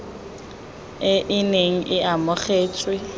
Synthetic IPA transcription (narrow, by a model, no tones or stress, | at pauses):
ɪʔɪneŋ̩ʔɪʔamʊχeːt͡sʼwɪ